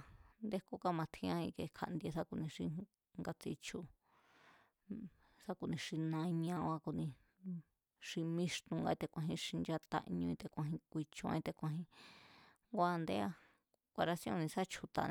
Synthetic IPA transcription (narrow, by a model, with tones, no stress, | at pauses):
nd̪e˦ko˦ka˦mã˨˧t̪ʰĩ˧ã˦ĩ˧ke˧kʰa̰˧ʔnd̪i˧e˧sa˦ku˧nĩ˧ʂĩ˧ | ŋɡa˧t͡sḭ˧t͡ʃu˧ | sa˦ku˧nĩ˧ʂi˧nã˧ĩ˧ɲ˧ã˧ã˧ku˧nĩ˧ | ʂĩ˧mĩ˦ʂt̪ũ˧ŋɡa˧i˧t̪e˧kʷã˧ɦĩ˧ʂi˧nd͡ʒa˧t̪a̰˧ʔɲũ˧ĩ˧t̪e˧kʷã˧ɦĩ˧kʷi˧t͡ʃõ˧ã̰˧ĩ˧t̪e˧kʷã˧ɦĩ˧ | ŋɡʷa˦˧nd̪e˦a˧ | kʷa˧ɾa˧sjõ̰˦˧nĩ˧sa˦t͡ʃʰu˧t̪a̰˧n˧